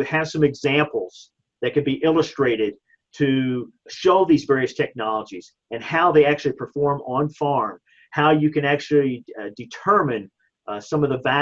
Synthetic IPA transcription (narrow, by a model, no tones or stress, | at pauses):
ɨv̥sʌ̃mɨɡzæ̃mpl̩ˠz̥ | ðɨt̚kɨ̃nbiʔɪlˠəstɹ̥eɪɾɪd̚ | tʰɨʃoʊðizvɛɹiɨstʰɛk̚nɑlˠəd͡ʒiz̥ | ɨ̃nhaʊðeɪæk̚t͡ʃʉl̩ˠipʰə˞fɔɹmə̃nfɑɹm | haʊjɨkɨ̃næk̚t͡ʃl̩ˠidɨtʰɜ˞mɨ̃n | sʌ̃mʌvðəvæ